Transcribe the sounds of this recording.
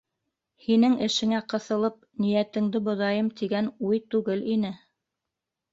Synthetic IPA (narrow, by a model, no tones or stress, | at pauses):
hinɘŋɘ̆ʃɘ̆ŋæqɤ̆θɤ̆lˠɤp̚nijæt̪ɘ̆ŋd̪ɘbŏðɑjɤmt̪iɡænujt̪ʉɡɘlinɘ